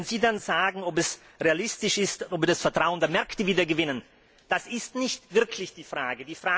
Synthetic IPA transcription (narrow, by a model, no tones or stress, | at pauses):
nz̥iːdanzaːɡŋ̩ɔpɛs | ʁealɪstɪʃɪstɔbdasfɛɐtʁ̥aʊəndəɐmɛɐktəviːdɐɡəvɪnən | d̥asɪstnɪçtv̥ɪɐkʰlɪçd̥iːfʁ̥aːɡədiːfʁ̥aː